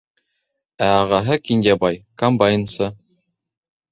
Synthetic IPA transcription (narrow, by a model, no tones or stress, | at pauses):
æɑʁɑɦɤkʲindɑbɑjkɐmbajnsɤ